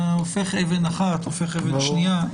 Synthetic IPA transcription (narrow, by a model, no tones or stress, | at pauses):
ofeχevenaχat̪ofeχevenʃnija